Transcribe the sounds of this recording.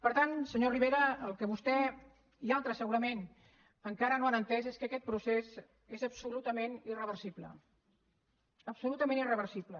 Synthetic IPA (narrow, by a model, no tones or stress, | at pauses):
pəɾt̪ansəɲoriβeɾəːlˠkəβust̪ɛ | ialˠt̪ɾəsəɣuɾəmen | əŋkaɾənoanənt̪ɛzeskəkɛt̪̚pɾusez | ezəpsulut̪əmenirəβəɾsiplə̰ | əpsulut̪əmẽnirəβəɾsiplə